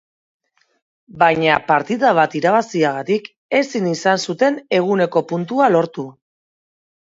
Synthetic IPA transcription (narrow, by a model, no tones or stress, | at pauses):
bajɲapaɾt̪iðaβ̞at̪iɾaβ̞asiaɣ̞at̪ik | e̞sinisansut̪e̞ne̞ɣ̞une̞ko̞punt̪ualo̞ɾt̪u